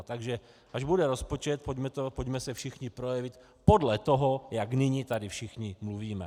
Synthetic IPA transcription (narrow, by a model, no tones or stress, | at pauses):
t̪aɡʒɛ | ʔaʒbud̪ɛɾɔspɔt͡ʃɛt̪̚pɔɟmɛt̪ɔpɔɟmɛsɛfʃixɲipɾɔjɛʋic | pɔd̪lɛt̪ɔɦɔjaɡniɲit̪ad̪ifʃixɲimluviːmɛ̰